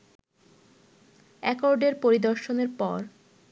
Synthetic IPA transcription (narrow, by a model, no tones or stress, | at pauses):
ɛkoɾɖeɾpoɾid̪ɔɾʃoneɾpɔ̰ɾ